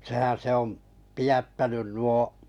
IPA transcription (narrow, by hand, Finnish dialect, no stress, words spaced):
sehæn se om pijætːænyn nuo